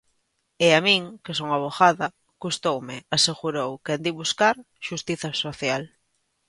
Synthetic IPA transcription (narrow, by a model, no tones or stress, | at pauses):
eamĩŋkes̬oŋaβoxaðɐ | kust̪owmɪaseɣuɾowkand̪iβuskaɾ | ʃust̪iθasoθjal